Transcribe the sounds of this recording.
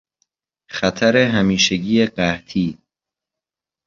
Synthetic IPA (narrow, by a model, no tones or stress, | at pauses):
xæt̪ʰæɾeɦæmiːʃeɟiːeɢæht̪ʰiː